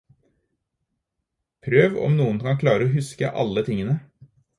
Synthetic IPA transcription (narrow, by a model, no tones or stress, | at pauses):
pʰɾøːʋɔ̰mnuːənkɑŋkʰlɑːɾəoːhʉskə̰ʔɑ̰lət̪ʰɪŋənə